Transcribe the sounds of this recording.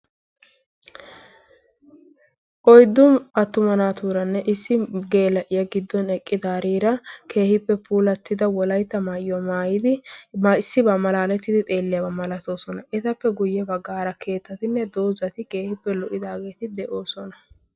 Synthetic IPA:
ʔɔjd̪ːʊmɐt̪ːʊmɐnaːt̪uːɾɐnːɛʔɪsːɪɡe̞ːlɐʔɪjɐɡɪd̪ːɔnɛkʼːɪd̪aːɾiːɾɐkʰe̞ːhɪpːɛpʰuːlɐt̪ːɪd̪ɐwɔlɐjt̪ːɐmaːjɔmaːjɪd̪ɪmaɪsːɪbɐmɐlaːlɛt̪ːɪd̪ɪt̪ʼe̞ːlːɪjabɐmɐlɐt̪o̞ːsɔnɐʔɪt̪ɐpːɛɡʊjːɛbɐɡːaːɾɐkʰe̞ːt̪ːɐt̪ɪnːɛd̪o̞ːzɐt̪ɪke̞ːhɪpːɛlɔʔɪd̪aːɡe̞ːt̪ɪd̪ɛʔo̞ːsɔnɐ

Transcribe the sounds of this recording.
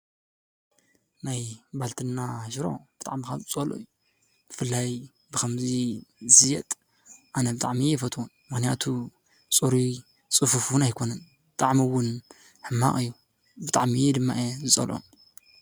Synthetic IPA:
najbalt̪ʰɨnːaʃɾo̞̰bɨ̥t̪ʼaʕmikaɨt͡sʼɐlo̰ijːu | bɨfɨlːaj | bɨkʰɐmzizɨjɛt̪ʼ | ʔanɐbɨt̪ʼaʕmiɛfɐt̪ʰwunmɨxnijat̪ʰu | t͡sʼuɾi | t͡sʼɨfufunajkʰo̞nɐn | bɨt̪ʼaʕmiwʊn | ħɨmːa̰χʼɨjːu | bɨt̪ʼaʕmid̪ɨmːa̰ʔezɨt͡sʼɐ̰lʔo̰n

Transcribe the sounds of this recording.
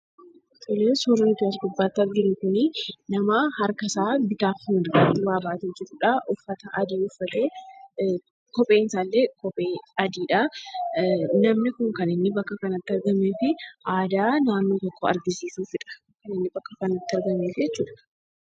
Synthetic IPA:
t̪ʊleːsuːɾɪnɪt̪ʊɐs̬ɡʊbːaːt̪ːɐɾɡɪɾɪkʊnɪnɐmɐhɐɾkɐsaːbɪt̪aːfʊd̪ɡɐd̪ʊwaːbaːt̪eːd͡ʒɪɾuːᶑɐʔʊfːɐt̪ɐʔɐd̪iːʊfːɐt̪eː | kɔpʼeːnsaːlːeːkɔpʼeːɐd̪iːᶑɐ | nɐmnɪkʊŋkɐnɪnːɪbɐkːɐkɐnɐt̪ːɪɐɾɡɐmeːfɪʔaːd̪aːnaːnːoːt̪ɔkʰːoɐ̰ɾɡɪsiːsuːfɪᶑɐ̥ | kɐnɪnːɪbɐkːɐkɐnɐt̪ːɐɾɡɐmeːfɪd͡ʒɛt͡ʃːuːᶑɐ̥

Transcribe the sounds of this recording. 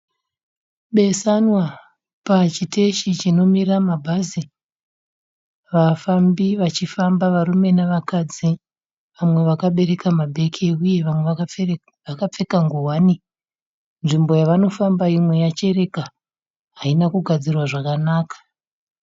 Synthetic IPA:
ɓe̞sanwa | pat͡ʃite̞ʃit͡ʃino̞miramabʱazi | ʋafambiʋat͡ʃifambaʋarume̞naʋakad͡zi | ʋamwe̞ʋakaɓe̞ɾe̞kamabʱe̞kʰeuje̞ʋamwe | ʋakap͡fe̞kaŋɡuwani | nʐimbo̞jaʋano̞fambaimwe̞jat͡ʃe̞re̞ka | ɦainakuɡʱad͡zirwaʐakanaːkḁ

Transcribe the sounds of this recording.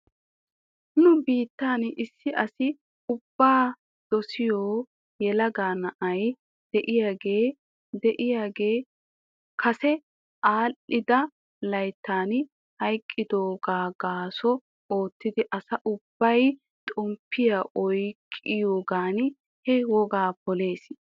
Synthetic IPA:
nʊbiːt̪ːaːnʔɪsːɪʔɐsɪ | ʊb̥ːaː | d̪̥ɔsɪjoː | jɛlɐɡaːnɐʔɐj | d̪̥ɛʔɪjaːɡe̞ː | d̪ɛʔɪjaːɡe̞ː | kʰɐsɛ | ʔaːlːɪd̪ɐ | lɐjt̪ːaːn | hɐjkʼːɪd̪oːɡaːɡaːsɔ | oːt̪ːɪd̪ɪʔɐsɐʔʊb̥ːɐj | t̪ʼɔmpʰːɪjaʔɔjkʼːɪjoːɡaːn | hɛwɔɡaːpɔleːs

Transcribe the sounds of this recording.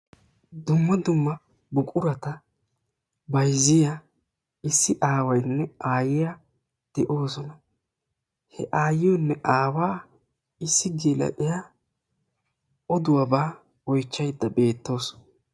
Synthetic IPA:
d̪ʊmːɐd̪ʊmːɐ | bʊkʼʊɾɐt̪ɐ | bɐjzɪja | ɪsːɪʔaːwɐjnːɛaːjɪja | d̪̥ɛʔo̞ːs̬ɔnɐ | hɛʔaːjɪjɔnːɛʔaːwaː | ɪsːɪɡilɐ̰ʔɪja | ʔɔd̪ʊwabaː | wɔjt͡ʃːɐjd̪ːɐbe̞ːt̪ːo̞ːs

